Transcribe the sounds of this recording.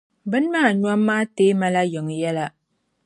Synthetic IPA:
bɨ˦n˦maː˦˨ɲwa˦mːaː˦teː˦ma˦la˦jɨ˨ŋ˨jɛ˦la˦

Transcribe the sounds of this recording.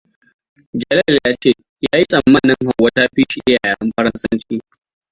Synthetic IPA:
d͡ʒɐ˨lɛ˦ljaː˦t͡ʃeː˦˨ | jaː˦ji˦sʼɐ˨mːɐ˦nɪ˦ŋha˨wːɐ˦taː˦ɸiː˦ʃi˨ʔɪ˦ja̰ː˨ja˨ɽɐ˦mɸɐ˦ɽɐ˦nsɐ˦nt͡ʃiː˦

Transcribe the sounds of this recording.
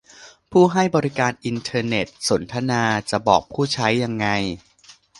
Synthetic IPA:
pʰuː˥˩ɦa˥˩jbɔː˧ɾi˦kaː˧nʔi˧nt̪ʰɤː˧ne˨˩t̪̚so˩˦nt̪ʰa˧naː˧t͡ɕa˨˩bɔː˨˩k̚pʰuː˥˩t͡ɕʰa˦˥jːa˧ŋːa˧j

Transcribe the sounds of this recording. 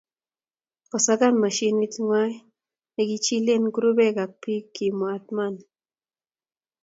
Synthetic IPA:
kɔ˨sa˦ka˦nma˨ʃi˦ni˦tŋwa˦j | nɛ˨ki˦t͡ʃi˦le˦˨nku˦ɾo˦bɛ˦˨ka˨k̚pi˦kːi˨mwa˨t̚ma˦˨n

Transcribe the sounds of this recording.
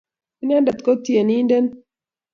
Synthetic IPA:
i˦nja˦nda˨t̪kɔ˦t̪je˨ni˦ndɛ˦n

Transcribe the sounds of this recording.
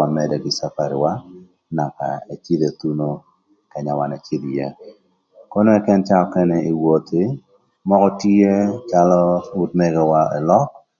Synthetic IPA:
amɛ˨dɛ˨ɡɪ˨sa˦pa˨ɾɪ˨wa˦ | na˨ka̰˨e˨t͡ʃi˦d̪e˨t̪u˦no˦ | kɛ˨ɲa˨wa˨nɛ˨t͡ʃi˦d̪jɛ˨ | ko˦no˦ɛ˦kɛ˦nt͡ʃa˦ɔ˦kɛ˦nɛi˨wo˨t̪ɪ˦ | mɔ˦kɔ˦ti˦e˦t͡ʃalɔ˦u˦tme˦ɡɛ˨wa˦ḛ˨lɔ˦k

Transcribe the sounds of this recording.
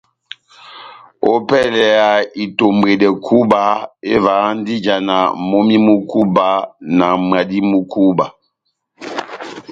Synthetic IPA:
o̰˦pɛ˦˨lɛ˨a˨i˨to˨m˨be˨dɛ˨kʰu˦ba˨˦e˦va˨˦n̩˦di˦d͡ʒa˨na˨mo˦mi˦mu˦ku˦ba˨˦na˨m˨a˨di˦mu˦kʰu˦ba˨

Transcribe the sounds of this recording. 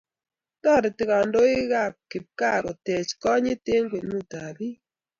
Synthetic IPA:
tɔ˦˨ɾɪ˨tɪ˨ɣa˨ndo˦ɪ˦ɣa˦˨p̚kɪ˨p̚ka˦˨ɾɔ˨tɛ˨t͡ʃkɔ˦ɲe˦te˦ŋɡwe˨nu˦˨ta˨bi˦

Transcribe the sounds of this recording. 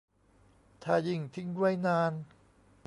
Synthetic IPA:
t̪ʰaː˧˩ji˧˩ŋt̪ʰi˧˥ŋdu˥˩əjnaː˧n

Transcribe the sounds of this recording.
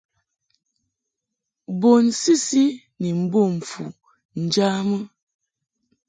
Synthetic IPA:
bo˨n˨si˦si˦ | ni˨m̩˨bo˦˨m̩˨fu˨ | n̩˨d͡ʒa˦mə˦

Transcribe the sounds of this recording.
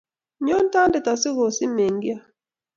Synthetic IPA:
ɲɔ˦n˦ta˦ndɛ˨ta˨sɪ˦ɣo˨si˦me˨ŋɡja˦

